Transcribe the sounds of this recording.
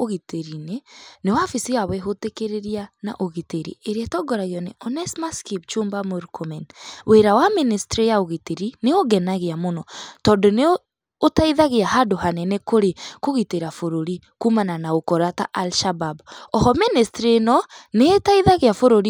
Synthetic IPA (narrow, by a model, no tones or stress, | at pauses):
oɣiteɾinenewafisiɣawɛɦotekeɾeɾiana̰ʔoɣiteɾḭeɾeatɔɡɔɾaɣiɔneʔɔnɛsmaskip̚t͡ʃoːmbamoɾukomɛnwʔeɾawaministɾijaoɣiteɾineoɡɛnaɣeamonɔtɔːndɔne | otaiðaɣeahadohanɛnɛkoɾekoɣiteɾafoɾoɾi | kumananaokɔɾataʔalʃababɔhɔministɾenɔneːtaiðaɣeafoɾoɾi